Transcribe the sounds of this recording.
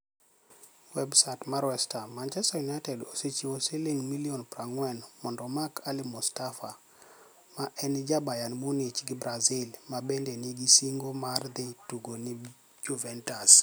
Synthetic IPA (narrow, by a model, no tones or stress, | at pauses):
wɛbsatmaɾwɛstamant͡ʃɛstajunatɛdoset͡ʃiwoseleŋmiliɔnpɾaŋwɛnmɔndɔmakʰalɪmustafa | maʔɛnd͡ʒabajanmunit͡ʃɡɪbɾazɪlmabendeniɡisiŋɡomard̪ɪtuɡoni | d͡ʒuvɛntas